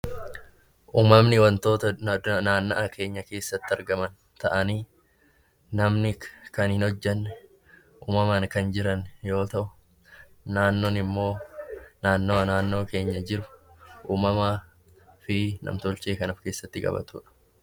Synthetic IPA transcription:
ʔuːmɐmnɪwɐnt̪o̞ːt̪ɐnaːnːɐʔɐkʰe̞ːɲːɐke̞ːsːɐt̪ːɪɐɾɡɐmɐn | t̪ɐʔɐniː | nɐmnɪkɐnhɪnɔd͡ʒːɛnː | ʔuːmɐmɐnkɐnd͡ʒɪɾɐnjo̞ːt̪ɐʔʊ̥ | naːnːoːnɪmːo̞ːnaːnːoːɐnaːnːo̞ːke̞ːɲːɐd͡ʒɪɾʊ̥ʔuːmɐmaː | fɪnɐ̰mt̪ɔlt͡ʃe̞ːkɐnɐfke̞ːsːɐt̪ːɪkʼɐ̰bɐ̰t̪ṵːᶑɐ̥

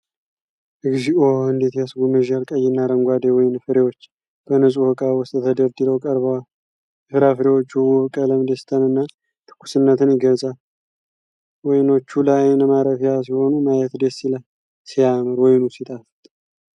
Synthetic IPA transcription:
ʔɨɡʒiʔohɨnd̪e̞t̪jsɡumɨʒalkʼəjːɪnːaɾəŋɡʷad̪ewɔjɪnfɨɾewot͡ʃː | b̥ənəsʼuhɨkʼawɔst̪ʼt̪ʰəd̪əɾd̪ɨləwkʼəɾβəwal | ɨfɨɾafɨɾewot͡ʃːuwuɨkʼələmd̪est̪ʰənɨnːa | t̪ʰɨ̥kʰːu̥sɨnːət̪ʰɨnjɪɡəzʼal | wɔjno̞t͡ʃːulajnəmaɾəfijasiho̞numajɛt̪d̪esilaj | sijamɨɾwɔjnusit̪ʼafɨt̪ʼ

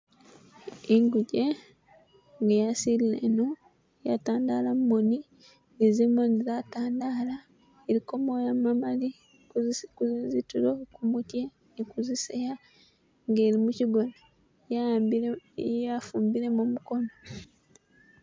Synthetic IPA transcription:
iŋɡuɟe | ŋɡejasililenu | jataːndaːlammoni | ezimonizataːndala | eɾiko̞mojamamali | uzkuizitulokumutjeː | kuziseja | ŋɡeːɾimuciɡone | jaijafuːmbiɾe̞mumukono̞

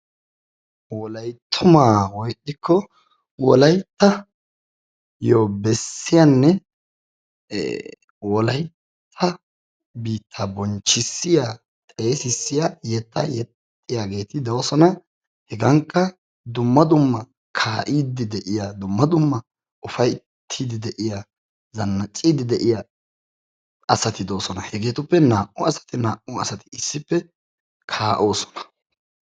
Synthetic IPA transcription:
wɔlɐjt̪ʰːʊmaːwɔjʔɪkʰːɔ | wɔlɐjt̪ːɐ | jobɛsːɪjanːɛ | wɔlɐj | t̪ʰːɐ | biːt̪ʰːɐbɔnt͡ʃːɪsːɪja | t̪ʼe̞ːsɪsːɪjajɛt̪ːɐ̰jɛt̪ʼːɪjaːɡe̞ːt̪ɪd̪ɐwsɔnɐ | hɛɡɐŋkːɐ | d̪ʊmːɐd̪ʊmːɐ | kʰaːʔiːd̪ɪd̪ɛʔɪjaːd̪ʊmːɐd̪ʊmːɐ | ʔʊfɐj | t̪ʰːiːd̪ɪd̪ɛʔɪja | zɐnːɐt͡ʃʼːiːd̪ɪd̪ɛʔɪja | ɐsɐt̪ɪd̪o̞ːsɔnɐhɛɡe̞ːt̪ʊpːɛnaːʔʊɐsɐ̥t̪ɪnaːʔʊɐ̰sɐt̪ɪ̥ɪsːɪpːɛ | kʰaːʔo̞ːsɔ̥nɐ̥

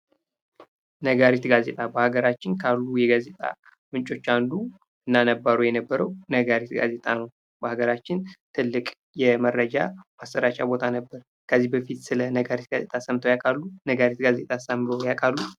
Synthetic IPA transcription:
nəɡaɾit̪ɡaze̞̰t̪ʼabəhaɡəɾat͡ʃːɪnkʰalːujɛɡaze̞t̪ʼa̰ | mɨnt͡ʃʼo̞t͡ʃːandu | ɨnːanəbːaɾojɛnəbːəɾəwnəɡaɾit̪ɡa̰ze̞t̪ʼanəw | b̥əhaɡəɾat͡ʃːɪnt̪ʰɨlːɨkʼ | jɛmərːəd͡ʒa̰basːəɾat͡ʃʼabo̞t̪ʰanəbːəɾ | kʰəzːihbəfit̪sɨlənəɡaɾit̪ɡazet̪ʼʰasəmt̪ʰəwjakʼalːunəɡaɾit̪ɡaze̞̰t̪ʼasamːɨɾowjakʼalːu

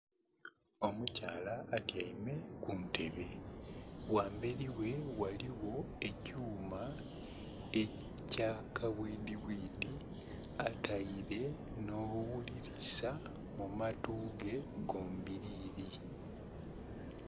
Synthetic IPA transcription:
o̞mucaːlaːtjaime̞kuntʰe̞βe̞ | waːmbeɾiwe̞waliwo̞e̞cuːma | e | caːkaβwiːdiwiːdi | atʰaiɾe̞ | no̞ːwuliɾisa | mumatuːɡe̞ɡo̞ːmbiɾiːɾi

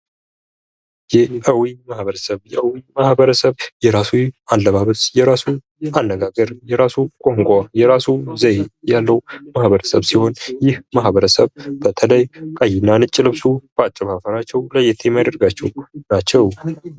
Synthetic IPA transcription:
jɛʔəwimahβəɾəsəβjɛʔəwimahbəɾəsəβjɛɾasualːəβaβət̪jɛɾasu | anːəɡaɡəɾjɛɾasukʼoŋkʼajɛɾasuzəjjalːəwmahβəɾəsəβsiho̞njɪhmahβəɾəsəβbət̪ʰələjkʼajɪnːanɨt͡ʃʼːɪlɨβsub̥at͡ʃʼːəβafəɾat͡ʃːɛwləjɛt̪ʰemajad̪əɾɡat͡ʃːɛwnat͡ʃːɛw

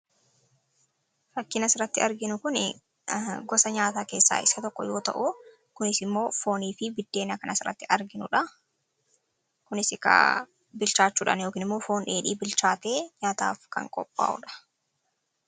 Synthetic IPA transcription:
fɐkːɪnɐsɪɾɐt̪ːɪɐɾɡɪnʊkʊnɪ | ɡɔsɐɲaːt̪aːke̞ːsːa̰ːɪsɐt̪ɔkːɔjo̞ːt̪ɐ̰ʔʊ | kʊnɪsɪmːo̞ːfo̞ːniːfɪbɪd̪ːeːnɐkɐnɐsɪrɐ̰t̪ːɪʔɐɾɡɪnʊᶑɐ | kʊnɪsɪkɐ̰ | bɪlt͡ʃaːt͡ʃːuːᶑɐ̰njo̞ːkiːnɪmːo̞ːfo̞ːnᶑe̞ːᶑiːbɪlt͡ʃaːt̪e̞ːɲaːt̪a̰ːfkɐ̰ŋkʼɔ̰pʼːa̰ːʔʊ̰ᶑɐ̥

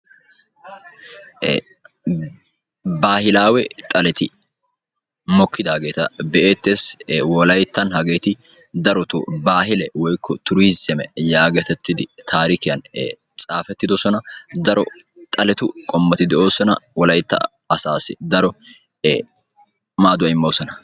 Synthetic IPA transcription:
baːhɪlaːwɛt̪ʼɐlɛt̪ɪ | mɔkːɪd̪aːɡe̞ːt̪ɐ̰bɛʔe̞ːt̪ːeːswɔlɐjt̪ːɐnɦɐɡeːt̪ɪd̪ɐɾɔt̪ʊ̰baːɦɪlɛwɔjkʰːɔt̪ʊɾʊɪsɛmɛjaːɡɐt̪ɛt̪ːɪd̪ɪt̪ʰaːɾɪkɪjɐn | t͡sʼaːfɛt̪ːɪd̪ɔsɔnɐd̪ɐɾɔt̪ʼɐlɛt̪ʊkʼɔmːɐt̪ɪd̪ɛʔo̞ːsɔnɐ̰wɔlɐjt̪ːɐ̰ | ɐsaːsɪd̪ɐɾɔ | maːd̪ʊɐɪmːoːsɔnɐ

